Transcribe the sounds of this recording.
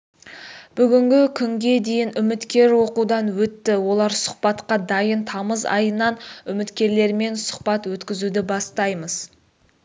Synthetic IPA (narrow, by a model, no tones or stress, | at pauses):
b̥ʏɡʲɪŋɡʲɪkʲʰʏŋɡʲe̞d̪e̞jɪnʏmɪt̪kʲe̞ɾwo̞qud̪ɑnwɵt̪ːɪwo̞lˠɑɾsʊ̥χpɑt̪qɑd̪ɑjənt̪ʰɑməzɑ̰jənɑnʏmɪt̪kʲe̞ɾle̞ɾme̞nsʊ̥χpɑt̪wɵt̪kʲɪzud̪ɪbɑst̪ɑjməz̥